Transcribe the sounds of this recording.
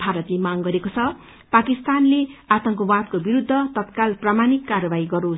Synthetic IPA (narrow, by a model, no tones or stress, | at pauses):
bʱaɾʌt̪lemaŋɡʌɾekot͡sʰʌ | pakist̪anleat̪ʌŋkobad̪̚kobiɾud̪ʱːʌt̪ʌt̪kalpramanikːarʌbaɦiɡʌɾo